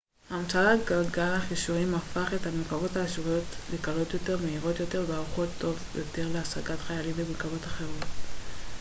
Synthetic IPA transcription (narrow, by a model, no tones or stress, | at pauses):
haːmt͡saaɡalɡalhaχiʃuʁimafaχe̞tamilkabo̞taːʃʁujo̞tlekalo̞t̪jo̞te̞ʁmeiʁo̞t̪jo̞te̞ʁveaʁuχo̞t̪ːo̞vjote̞ʁleasaɡatχajalimbemilkabo̞taχe̞ʁo̞t